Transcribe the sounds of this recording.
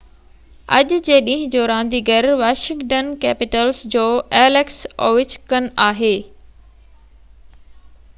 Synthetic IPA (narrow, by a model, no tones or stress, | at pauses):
ɐ̰ʄʊd͡ʑeːɗĩːɦɪ̃d͡ʑoːɾãːn̆d̪iɡɐɾʋaːʃɪ̃ŋɡʈənkɛːpɪʈəlsd͡ʑoːɛːleksoːʋɪt͡ɕkənaːɦeː